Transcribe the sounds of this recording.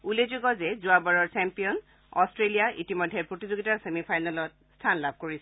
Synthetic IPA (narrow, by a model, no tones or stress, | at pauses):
ulezoɡɔzɛzuabaɹɔɹt͡ʃɛmpijɔn | ɔ̰stɹelijaʔḭtimɔjdʱɛɹpɹotizoɡitaasemipʰajnalɔt̚stʰanlab̚ʱkoɹis